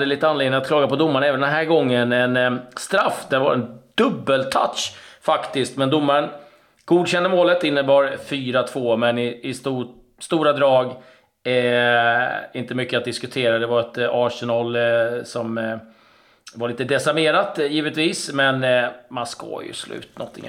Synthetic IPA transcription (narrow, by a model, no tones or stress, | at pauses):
d̪ɛliːt̪əanleɡd̪nɪnat̪kʰlɑːɡapɔd̪ʊmːaɾəɳaɛːvənd̪ɛnɦæːɾɡɔŋːənɛnst̪ɾafːd̪ɛva̰ɾɛnd̪̥ɵbːəlt̪ʰa̰t̪ʂfakt̪ɪst̪mɛnd̪ʊmːaɾən | ɡ̥uːd̪ɕɛnd̪əmoːlət̪ɪnːəbɑːɾfyːɾat̪ʰv̥oːmɛnɪɪst̪uː | st̪uːɾad̪ɾɑːɡ | ɪnt̪əmʏkːəat̪̚d̪ɪskɵt̪ʰeːɾad̪ɛvaɾɛt̪aːʂɛnɑlsɔm | vaɾɭiːt̪əd̪ɛsaɾmeːɾat̪jiːvət̪viːsmɛnmanskɑ̰ːjɵ̰slʉ̟̰ːt̪nɔ̰t̪ʰːɪ̰ŋ̰